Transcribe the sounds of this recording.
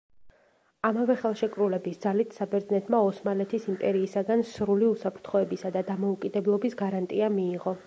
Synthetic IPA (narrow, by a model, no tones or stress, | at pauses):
amavɛχɛlˠʃɛkʼɾulɛbisd̪zalit̪ʰsabɛɾd̪znɛt̪ʰmaɔsmalɛt̪ʰisimpʼɛɾiːsaɡansɾuliusapʰɾt̪ʰχɔɛbisad̪ad̪amɔukʼid̪ɛblˠɔbisɡaɾant̪ʼiamiːʁɔ